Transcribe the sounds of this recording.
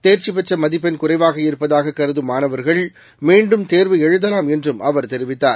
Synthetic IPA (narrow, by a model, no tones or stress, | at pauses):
t̪eːɾt͡ʃipɛʈrɐmɐðɪpːɐnkʊrɐɪʋaːɣɐɪɾɯpːɐðaːɣɐkːɐɾɯðɯmaːnɐʋɐɾɣɐɭ | miːɳɖɯmt̪eːɾʋɯɛɻɯðɐlaːmɛndrɯmʔɐʋɐɾt̪ɛɾɪʋɪt̪ːaːɾ